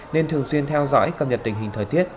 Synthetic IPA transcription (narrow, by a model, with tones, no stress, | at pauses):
ne˧nt̪ʰɨ˨˩əŋswi˧ənt̪ʰɛ˧wzɔ̰ː˧˥jkə˨˩p̚ɲə˨˩t̚t̪ï˨˩ŋ̟ɦï˨˩ŋ̟t̪ʰəː˨˩jt̪ʰi˦˥ət̚